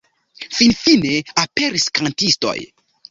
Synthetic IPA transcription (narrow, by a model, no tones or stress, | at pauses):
finfineape̞ɾiskantisto̞̰j